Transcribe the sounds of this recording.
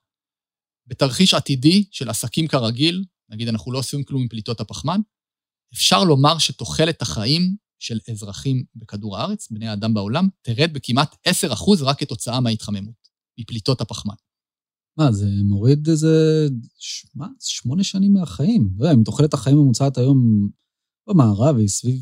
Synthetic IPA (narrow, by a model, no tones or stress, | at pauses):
be̞taʁχiʃatidiʃelasakimkaʁaɡil | naɡidanaχnulo̞osfimklumimplit̪o̞thapaχman | efʃaʁlo̞maʁʃeto̞χe̞le̞t̪aχaʔim | ʃe̞lezʁaχimbe̞kaduʁaaʁe̞t͡sbnejaːdambao̞lamteʁed̪̚bekimʔat̪e̞se̞ʁaχuzʁaketo̞t͡saameait̪χame̞mut̚ | miplit̪o̞thapaχma̰n | mazemo̞ʁid̪eze | ʃmaʃmo̞neʃanimːeaχaimlodeaimt̪oχelet̪haχaimemut͡saat̪ajo̞m | bemaːʁavsviv